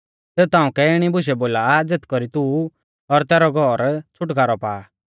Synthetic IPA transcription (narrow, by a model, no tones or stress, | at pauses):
sɛːut̪ãːũkɛɪɽ̃ibʊʃ̬ɛboːlaːd͡zet̪ʰkɔɾit̪uː | ɔɾt̪ɛːɾɔɡʱɔːɾt͡sʰʊʈkaːɾɔpa̰ːa